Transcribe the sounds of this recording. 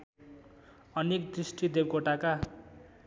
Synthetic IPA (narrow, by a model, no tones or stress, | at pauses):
ʌnekd̪risʈid̪eb̚koʈaka